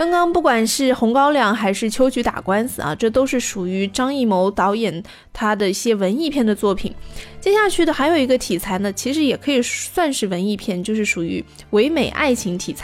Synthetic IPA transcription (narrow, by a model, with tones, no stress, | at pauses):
kɑ˥ŋkɑ˥ŋpu˥˩kwa˨˩nʂɻ̩˥˩xʊ˧˥ŋkɑ˥ʊljɑ˥˩ŋxa˧˥ɪʂɻ̩˥˩t͡ɕʰjo˥ʊt͡ɕy˧˥t̪a̰˨˩kwa˥nsɹ̩˨˩ɐ̰˩ʈ͡ʂɤ˥˩t̪o˥ʊʂɻ̩˥˩ʂu˨˩y˧˥ʈ͡ʂɑ˥ŋi˥˩mo˧˥ʊt̪ɑ˧˥ʊjɛ˨˩n | t̪ʰa˥d̪ə˨i˥˩ɕjɛ˥wə˧˥ni˥˧pʰjɛ˥˩nd̪ə˩t͡swɔ˥˩pʰḭ˨˩˦nt͡ɕjɛ˥ɕja˥˧t͡ɕʰy˥˩d̪ə˩xa˧˥ɪjo˨˩ʊi˧˥ɡə˧t̪ʰi˨˩t͡sʰa˧˥ɪnə˧t͡ɕʰi˧˥ʂɻ̩˧˥jɛ˨˩kʰɤ˧˥i˨˩swa˥˧nʂɻ̩˥˩wə˧˥ni˥˧pʰjɛ˥˩nt͡ɕjo˥˧ʊʂɻ̩˥˩ʂu˨˩y̰˧˥ | we˧˥ɪme˨˩ɪʔa̰˥˩ɪt͡ɕʰi˧˥ŋt̪ʰi˨˩t͡sʰ